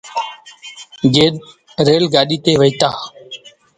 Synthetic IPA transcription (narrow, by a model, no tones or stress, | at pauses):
ɡeːɗ | ɾeːlɡaːɗiːt̪eːʋəit̪aː